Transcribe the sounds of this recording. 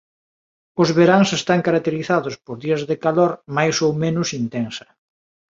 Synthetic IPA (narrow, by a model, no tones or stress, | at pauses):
ʊzβeɾaŋsest̪aŋkaɾak̚t̪eɾiθaðʊspoɾðiɐzðekaloɾmajsowmẽnʊsint̪ɛnsɐ̥